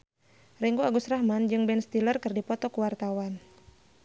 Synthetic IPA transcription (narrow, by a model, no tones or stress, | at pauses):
rɛŋɡuaɡusrahmand͡ʒɨŋbɛnst̪ilərkərdipɔt̪ɔkuwart̪awan